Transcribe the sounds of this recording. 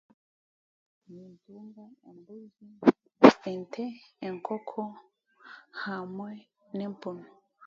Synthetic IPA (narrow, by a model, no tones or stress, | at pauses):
minduŋɡaembuzi | entʰɛeŋkʰɔkʰɔ | hamwɛ | nɛmponɔ